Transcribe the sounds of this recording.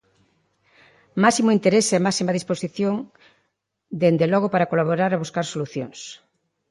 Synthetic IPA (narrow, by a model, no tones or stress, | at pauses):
masimʊint̪eɾesɛmasimaðisposiθjoŋ | d̪end̪elɔɣ̞opaɾakolaβ̞oɾaɾaβuskaɾsoluθjo̰ŋs